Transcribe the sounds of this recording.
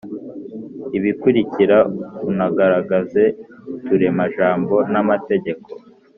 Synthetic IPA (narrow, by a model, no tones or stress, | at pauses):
iβikuɾiciɾaunaɡaɾaɡaze̞tuɾe̞maʒaːmbo̞namate̞ɟe̞ko̞